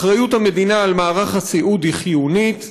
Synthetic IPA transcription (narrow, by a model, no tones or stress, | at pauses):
ʁajuthamed̪inaːlmaːʁaχhat͡siʔud̪iχjunit̪